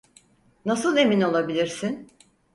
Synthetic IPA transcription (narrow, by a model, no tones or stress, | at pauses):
nasɯlˠe̞mino̞lˠabilʲiɾsin